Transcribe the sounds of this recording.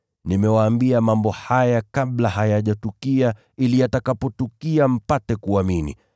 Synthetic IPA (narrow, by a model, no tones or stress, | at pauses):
nimɛwaːmbiamambɔhajakaɓlaɦajaʄatukia | ilijatakapɔtukiam̩patɛkuaminḭ